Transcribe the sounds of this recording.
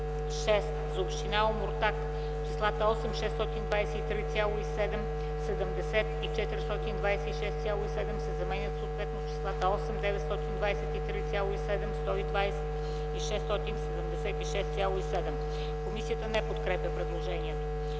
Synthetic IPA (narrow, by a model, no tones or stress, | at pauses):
ʃɛst̪zɐopʃt̪inaomoɾt̪ak | t͡ʃislˠat̪əɔsɛmʃɛst̪ɔt̪ind̪vajsɛit̪ɾit̪sʲjalˠoisɛd̪ɛm | sɛd̪əmd̪ɛsɛt̪it͡ʃɛt̪iɾʲist̪ɔt̪ind̪vajsɛiʃɛst̪sʲjalˠoisɛd̪ɛmsɛzɐmɛnʲət̪soːt̪vɛt̪not͡ʃi̥slˠat̪əɔsɛmd̪ɛvɛt̪st̪ɔt̪ind̪vajsɛt̪it̪ɾit̪sʲjalˠoisɛd̪ɛmst̪ɔid̪vajsɛt̪ | iʃɛst̪ɔt̪insɛd̪əmd̪ɛsɛt̪iʃɛst̪sʲjalˠoisɛd̪ɛm | komisiət̪ənɛpot̪kɾɛpʲjəpɾɛd̪lˠoʒɛniɛt̪o